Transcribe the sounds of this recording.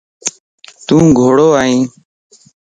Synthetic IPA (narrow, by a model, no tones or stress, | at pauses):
t̪ũːɡʱoːɽoːaːĩː